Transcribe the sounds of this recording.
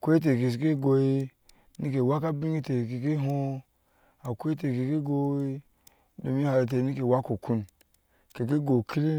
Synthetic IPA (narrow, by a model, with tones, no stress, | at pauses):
kʷe˦i˦t̬e˨ke˨s̬i˨ke˦ɡo˨i˦ | ni˦ke˨wa˦ka˦bi˦ŋ˦i˦te˨ke˨ki˦ɦo˦ | a˨kʷe˦i˦te˨ke˨ki˦ɡo˦i˦ | do˨mi˦ha˨ɾe˨t̬e˨ni˦ke˨wa˦ko˨ku˦n | ke˨ki˦ɡo˨kʰi˦li˦